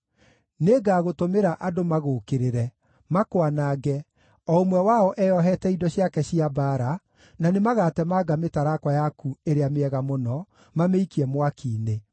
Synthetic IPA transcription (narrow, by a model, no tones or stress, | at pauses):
neːɡaːɣotomeɾaʔadomaɣoːkeɾeɾɛ | makowanaːɡɛ | ɔomwɛwaɔʔɛjɔɦɛtɛidɔɕjakɛɕiabaːɾa | nanemaɣaːtɛmaːɡametaɾakwajakueɾeameɛɣamonɔ | mameikiɛmwakiːne